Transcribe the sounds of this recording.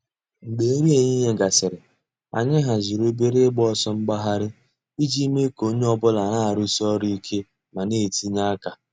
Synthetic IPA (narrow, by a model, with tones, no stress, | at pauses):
n̩˨ɡ͡be˨e˦ɾi˦e˨ɲi˦ɦe˦ɡa˨sɪ˨ɾɪ˨ | a̰˨ɲɪ˦ɦa˨zi˨ɾo˦be˦ɾe˦ɡ͡bɔ˦sɔ˦ŋ͡m̩˦ɡ͡ba˦ɦa˦ɾɪ˦ | i˦d͡ʒi˦me˦ko˦ɲe˦ɔ˦bʊ˦la˨na˦a˨ɾʊ˦sɔ˦ɾi˦i˦kʰe˦ | ma˨ne˦˨ti˦ɲa˦ka˨